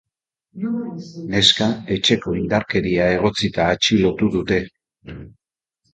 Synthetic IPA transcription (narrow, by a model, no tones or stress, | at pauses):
ne̞skae̞t͡ʃe̞ko̞ind̪aɾke̞ɾiae̞ɣ̞o̞t͡sit̪aːt͡ʃilo̞t̪uðut̪e̞